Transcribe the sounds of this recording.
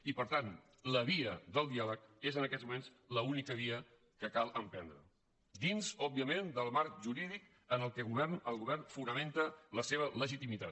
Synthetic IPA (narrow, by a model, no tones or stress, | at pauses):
ipəɾt̪an | ləβiəd̪əlˠd̪ialəkezənəkɛt̪zmumenz | ləunikəβ̞iə | kəkalˠəmpɛnd̪ɾə | d̪inzɔbiəmend̪əlˠmaɾk̚ʒuɾiðik | ənəlˠkɛɣuβɛrnəlˠɣuβɛrnfunəment̪ələseβ̞ələʒit̪imit̪at̪